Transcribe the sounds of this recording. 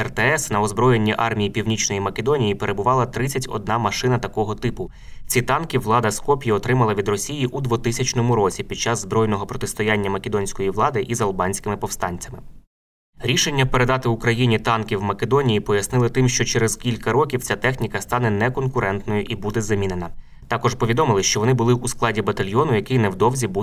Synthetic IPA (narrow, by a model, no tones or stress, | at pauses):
ɛrt̪ɛɛsnɐɔzbɾɔjenʲːiʔɑrmʲijipʲiwnʲit͡ʃnɔjimɐkʲed̪ɔnʲijipe̞ɾʔe̞bʊʋɑlˠɐt̪ɾɪt͡sʲɐtʲɔ̰d̪̚nɑmɐʃɪnɐt̪ɐkɔɦɔt̪ɪpʊ | t͡sʲit̪ɑnkʲiʋlˠɑd̪ɐskɔpʲjiɔt̪ɾɪmɐlˠɐʋʲid̪rɔsʲijiʔud̪ʋʊt̪ɪsʲɐt͡ʃnɔmʊɾɔt͡sʲipʲid̪̚t͡ʃɑzːbɾɔjnɔɦɔpɾɔt̪ɪst̪ɔjanʲːɐmɐkʲed̪ɔnʲsʲkɔjiʋlˠɑd̪ɪʔizɐlˠbɑnʲsʲkɪmɪpɔwst̪ɑnʲt͡sʲɐmɪ | ɾʲiʃe̞nʲːɐpeɾe̞d̪ɑt̪ɪʊkɾɐjinʲit̪ɑnkʲiwmɐkʲed̪ɔnʲijipɔjɐsnɪlˠɪt̪ɪmʃt͡ʃɔt͡ʃɛɾɛz̥kʲilʲkɐɾɔkʲiwt͡sʲat̪ɛxnʲikɐst̪ɑnɛnɛkɔnkʊɾɛnt̪nɔjʊʔibud̪ɛzɐmʲinenɐ | t̪ɑkɔʒpɔʋʲid̪ɔmɪlˠɪʃt͡ʃɔʋɔnɪbʊlˠɪʔusklˠɑdʲibɐt̪ɐlʲjɔnʊjɐkɪjnɛwd̪ɔwzʲibu